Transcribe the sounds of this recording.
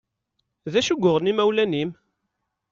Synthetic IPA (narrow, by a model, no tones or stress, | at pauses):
ðæʃuɡʷːʊʁnimæwlænim